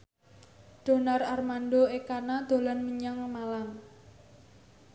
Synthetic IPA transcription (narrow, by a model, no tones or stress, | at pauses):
d̪̥o̤nararmanɖoekanad̪̥o̤lanməɲaŋmalam